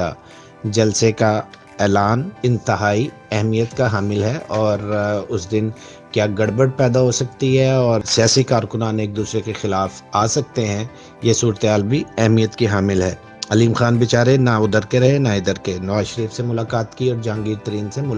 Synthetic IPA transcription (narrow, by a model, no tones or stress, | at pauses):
a̰ː | d͡ʒɐlseka | ɛːlaːnɪ̃nt̪ɪɦaːi | ɛɦmijət̪kaɦaːmɪlɦɛʔɔːɾʊsd̪ɪn | kjaːɡɐɽbəɽ̚pɛːd̪aɦosɐkt̪iɦɛɔːɾsijaːsikaːɾkʊnaːneːk̚d̪uːsɾekexɪlaːf | aːsɐk̚t̪eɦɛ̃ | jesuːɾət̪eɦaːlbʱiɛɦmijət̪kiɦaːmɪlɦɛː | ɐliːmxaːnbɪt͡ʃaːɾenaʊd̪əɾkeɾɐɦenaɪd̪əɾkenɐʋaːzʃəɾiːfsemʊlaːkaːt̪kiɔːɾd͡ʒãːŋɡiːɾt̪ɐɾiːnsemʊ